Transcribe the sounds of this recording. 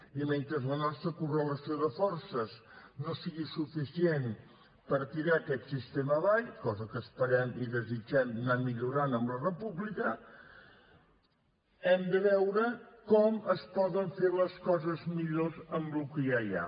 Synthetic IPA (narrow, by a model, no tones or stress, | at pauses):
iment̪ɾəzlənɔst̪ɾəkurələsioðəfɔrsəznosiɣisufisien | pəɾt̪iɾaəkɛt̪sist̪eməlajkɔzəkəspəɾɛmiðəzid͡ʒɛmnamiʎuɾanəmblərəpuβlikə | ɛmd̪əβɛwɾəkɔməspɔðəɱfeɾləskɔzəzmiʎozəmblukəjaja̰